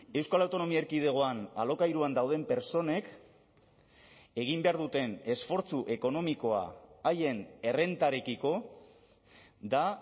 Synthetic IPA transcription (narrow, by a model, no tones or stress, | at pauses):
e̞wskalawt̪o̞no̞mieɾkiðe̞ɣ̞o̞ana̰lo̞kajɾuand̪awð̞e̞mpe̞ɾso̞ne̞k | e̞ɣimbe̞aɾðut̪e̞ne̞sfo̞ɾt͡suʔe̞ko̞no̞miko̞a̰ːje̞ne̞re̞nt̪aɾekiko̞ | d̪a